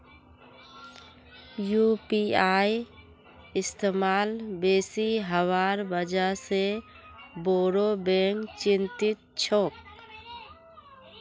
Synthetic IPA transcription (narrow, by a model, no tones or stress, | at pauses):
jupiaːi | ɪst̪eːmaːlbeːsiɦəwaːɾbəd͡ʒaɦse | boːɾobẽːŋkt͡ʃɪ̃nt̪ɪt̪̚t͡ʃʰoːk̚